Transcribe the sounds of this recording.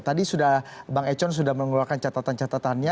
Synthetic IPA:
t̪adisudahbaŋɛt͡ʃɔns̬udahməŋɡulakant͡ʃat̪at̪ant͡ʃat̪at̪anɲa

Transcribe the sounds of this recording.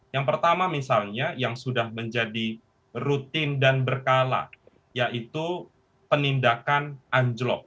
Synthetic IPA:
jaŋpərt̪amamisalɲajaŋsudahməɲd͡ʒadi | rut̪ɪndanbərkala̰ | jaʔit̪u | pənindakanʔaɲd͡ʒlɔ̰k̚

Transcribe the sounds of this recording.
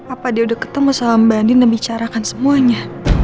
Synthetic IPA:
apadiaudakə̥t̪əmusalambandɪnəbit͡ʃaɾakansəmuaɲa

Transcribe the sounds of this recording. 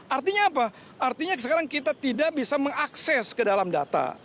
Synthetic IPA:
ʔart̪iɲaːpa | art̪iɲasəkaɾaŋkit̪at̪idaʔbisaməŋaksɛskədalamda̰t̪a̰

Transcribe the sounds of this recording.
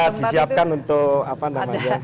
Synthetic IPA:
d̪̥i̤siap̚kanunt̪ʊʔapanamaɲa

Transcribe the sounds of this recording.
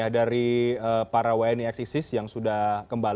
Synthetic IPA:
ahdaɾiəːpaɾawaɛniɛksisɪsjaŋsudahkəmbal

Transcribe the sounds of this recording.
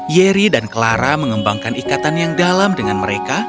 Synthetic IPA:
jeɾidankəlaɾaməŋəmbaŋkanikat̪anjaŋdalamdəŋanməɾeka

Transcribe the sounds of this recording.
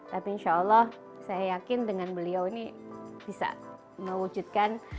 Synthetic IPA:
t̪apiːnʃaːlːɔh | sajajakɪndəŋanbəliawinib̥isa̰ | məwud͡ʒut̪̚kan

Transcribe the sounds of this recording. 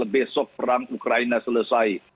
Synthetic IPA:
ləbesɔk̚pəraŋukɾajnasuləsaj

